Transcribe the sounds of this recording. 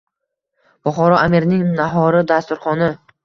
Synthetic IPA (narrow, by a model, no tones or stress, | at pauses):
b̥ʊχɒɾɒamiɾnɪŋnaɦɒɾɪd̪ast̪ʊɾχɒnɪ